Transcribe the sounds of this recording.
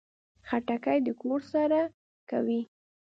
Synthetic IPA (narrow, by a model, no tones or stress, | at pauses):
xaʈakajd̪əkoɾsaɾa | ka̰wi